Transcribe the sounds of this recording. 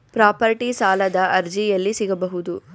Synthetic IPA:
pɾaːpɐɾʈisaːlɐd̪ɐʔɐɾd͡ʒijɐlːisiɡɐbɐɦud̪u

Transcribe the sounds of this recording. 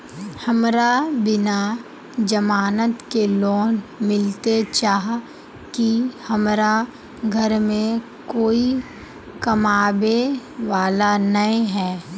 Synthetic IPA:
hɐmɾabɪna | d͡ʒəmaːnət̪kelɔːnmɪlt̪et͡ʃaːɦ | kihɐmɾa | ɡʱəɾmẽ | koːi | kɐmaːbeʋaːlanɐĩɦɛː

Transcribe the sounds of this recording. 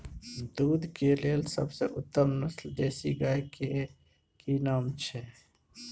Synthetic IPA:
d̪uːd̪ʱkeleːlsə̰bseʔʊt̪ːəmnəsld̪eːsiɡəeke | kinaːmt͡ʃʰɛː

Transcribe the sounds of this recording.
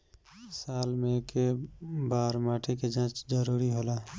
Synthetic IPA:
saːlmẽkebaːɾmaːʈʰiked͡ʒãːt͡ʃd͡ʒəɾuːɾiɦoːla

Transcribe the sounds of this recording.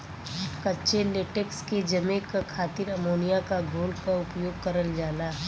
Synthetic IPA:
kɐtːʃeleʈeksked͡ʒɐmẽkakʰaːt̪ɪɾɐmoːnijakaɡʱoːlkaʊpjoːɡ̚kɐɾəld͡ʒaːlaːɦ

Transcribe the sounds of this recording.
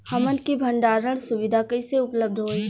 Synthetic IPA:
hɐmənkibʱə̃ɳɖaːɾəɽ̃sʊʋɪd̪ʱakəiseʊpləb̚d̪ʱɦoːiː

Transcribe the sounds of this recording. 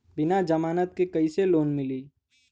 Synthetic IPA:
bɪnad͡ʒəmaːnət̪̚kekɐiseloːnmɪliː

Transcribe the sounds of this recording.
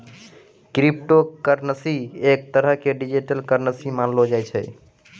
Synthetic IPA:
kɾip̚ʈokəɾnəsiek̚t̪əɾəɦkeɖid͡ʒiʈəlkəɾnəsimanlod͡ʒajt͡ʃʰɛ̰

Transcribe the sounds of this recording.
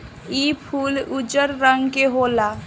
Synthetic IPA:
ipʰuːlud͡ʒəɾɾəŋɡkeɦola

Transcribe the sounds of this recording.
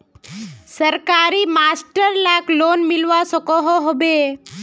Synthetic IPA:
səɾkaɾiːmasʈəɾlaklonmilʋasɔkɔɦoɦobe

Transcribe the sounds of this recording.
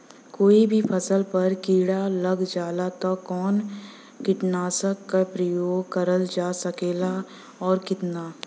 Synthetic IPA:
koːibʱipʰɐsəlpɐɾkiːɽalɐɡd͡ʒaːlat̪ɔkɔːn | kɪʈnaːsəkːapɾəjoːɡkəɾəld͡ʒaːsɐkeːla | ɔːɾkɪt̪naː

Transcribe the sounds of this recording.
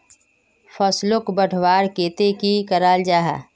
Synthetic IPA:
fʰəslʊkbəʈʰwaːɾkeːt̪ekikəɾaːld͡ʒaːɦɛ̰ː

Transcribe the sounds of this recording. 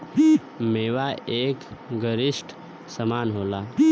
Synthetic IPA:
meːʋaeːkɡəɾɪsʈ | səmaːnɦoːlaː

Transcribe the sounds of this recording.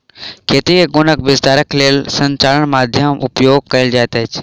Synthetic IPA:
kʰeːt̪ieɡʊnəkbɪst̪aːɾəkʰleːlsɐ̃ɲt͡ɕaːləɽ̃maːd̪ʱjəmʊpjoːɡ̚kɐjld͡ʑaːt̪ɐt͡ɕ

